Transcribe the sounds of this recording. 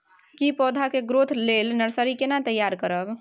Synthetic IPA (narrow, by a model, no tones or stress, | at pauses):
kipɔːd̪ʱakeɡɾot̪ʰlelnəɾsəɾikenat̪əjːaɾkəɾəb